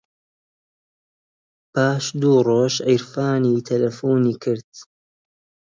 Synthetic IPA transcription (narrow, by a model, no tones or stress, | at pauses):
pʰaːʃd̪uːroːʃʔəjɾfaːniːt̪ʰɐlɐfuːniːkʰɪɾd̪̥